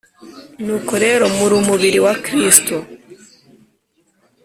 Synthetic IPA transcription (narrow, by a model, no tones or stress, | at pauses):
nuːkoɾe̞ːɾo̞muɾuːmuβiɾiwakɾisto